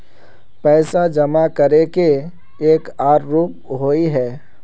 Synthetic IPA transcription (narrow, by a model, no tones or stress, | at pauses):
pɛːsad͡ʒɐmakəɾeke | eːkaːɾːuːp̚ɦoːiɦɛː